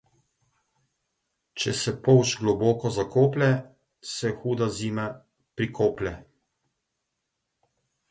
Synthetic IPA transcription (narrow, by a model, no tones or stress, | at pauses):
t͡ʃɛsɛpɔwt͡ʃɡlɔboːkɔzakoːplɛ | sɛxuːd̪aziːma | pɾikʰoːplʲɛ